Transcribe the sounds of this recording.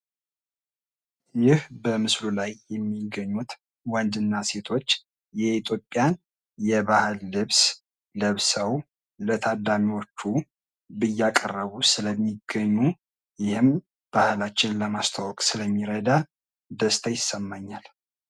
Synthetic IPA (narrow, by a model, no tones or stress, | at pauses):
jɪhbəmɨslulajjɛmːiɡəɲːut̪ | wand̪ɨnːase̞t̪ʰo̞t͡ʃː | jɛit̪ʰjopʼːjan | jɛbahɨlːɨβs | ləβsəw | lət̪ʰad̪ːamiwot͡ʃːu | bɨjːakʼərːəβusɨləmːiɡəɲːu | jɪhɨm | b̥ahlat͡ʃːɪnləmast̪ʰawɔkʼsɨləmːiɾəd̪a | d̪əst̪ʰəjɪsːəmːaɲːal